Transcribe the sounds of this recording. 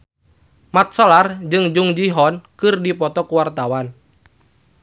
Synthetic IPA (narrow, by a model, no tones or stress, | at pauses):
mat̪̚sɔlard͡ʒɨŋd͡ʒuŋd͡ʒiɦɔnkɨrdipɔt̪ɔkuwart̪awan